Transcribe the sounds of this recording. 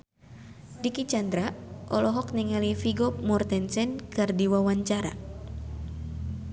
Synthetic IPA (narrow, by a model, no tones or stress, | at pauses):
dikit͡ʃand̪ɾaʔɔlɔɦɔk̚niŋalifiɡɔp̚mɔrt̪ɛnsɛnkɨrdiwawaɲt͡ʃaɾa̰